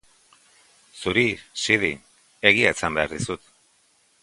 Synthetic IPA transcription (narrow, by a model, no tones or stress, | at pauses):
suɾisiði | e̞ɣ̞iat͡sambe̞aɾðisut̪